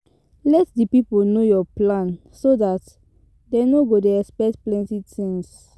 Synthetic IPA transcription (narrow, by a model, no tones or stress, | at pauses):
lɛtdipipolnojɔplãn | sodat | denoɡodeɛspɛk̚tplɛ̃ntitĩŋs